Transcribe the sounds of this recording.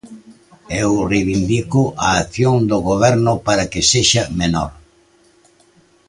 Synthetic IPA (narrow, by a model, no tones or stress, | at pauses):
ewreβind̪ikʊʔaːθjoŋd̪oɣoβ̞ɛɾnʊpaɾɐkɪseʃɐmenɔ̰ɾ